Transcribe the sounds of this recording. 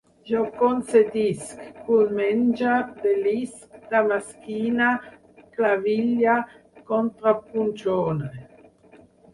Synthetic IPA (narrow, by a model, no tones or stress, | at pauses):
ʒɔkonsed̪iskːunmɛnd͡ʒad̪eliskd̪̥amaskiːna | klaviʎa | kont̪ɾapunt͡ʃoːn